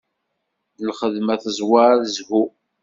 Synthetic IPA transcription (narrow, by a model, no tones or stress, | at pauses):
əlχəðmæθəzˤwaɾaðzɣu